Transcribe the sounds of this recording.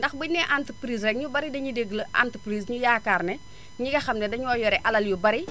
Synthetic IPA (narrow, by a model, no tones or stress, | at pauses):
ndɐxbinɛʔantpɾiːs̬rɛk̚ɲubɐɾidɐɲideɡlɐʔa̰ntpɾiːsɲujaːkarnɛ | ɲiɡɐxɐmnɛdɐɲɔːjɔɾɛʔɐlɐljubɐɾi